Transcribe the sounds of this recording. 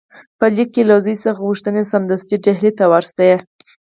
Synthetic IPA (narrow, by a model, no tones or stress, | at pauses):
pəlikːelazəjsəxɣuʂt̪ənesand̪ast̪iɖaɦlet̪awaɾsaje